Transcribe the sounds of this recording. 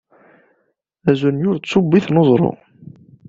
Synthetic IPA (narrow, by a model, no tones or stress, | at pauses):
æzunjʊɾt͡sːubːiθnozˤɾˤo̰